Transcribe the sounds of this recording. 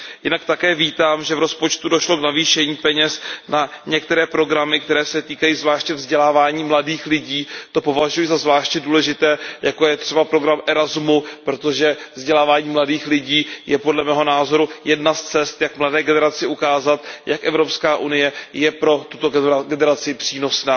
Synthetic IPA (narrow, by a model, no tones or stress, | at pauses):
jɪnakt̪akɛːviːt̪aːmʒɛvɾo̞spo̞t͡ʃt̪udoʃlo̞knaviːʃɛɲiːpɛɲɛsnaɲɛkt̪ɛɾɛːpɾo̞ɡɾamɪk̚t̪ɛɾɛːsɛt̪iːkajiːzvlaːʃcɛvzɟɛlaːvaːɲiːmladiːxlɪɟiːt̪o̞po̞vaʒujɪzazvlaːʃcɛduːlɛʒɪt̪ɛːjako̞jɛt̪r̥ɛbapɾo̞ɡɾamʔɛɾazmupɾo̞t̪o̞ʒɛvzɟɛlaːvaːɲiːmladiːxlɪɟiːjɛpodlɛmɛːɦo̞naːzo̞ɾujɛdnast͡sɛst̪jakmladɛːɡɛnɛɾat͡sɪʔukaːzat̪jakʔɛvɾo̞pskaːʔunɪjɛjɛpɾo̞t̪u̥t̪o̞ɡɛnɛɾat͡sɪpr̥iːno̞snaː